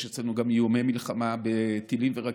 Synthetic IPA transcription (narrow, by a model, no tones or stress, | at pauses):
jet͡slenuɡamjomejmilχamabet̪ilimveʁa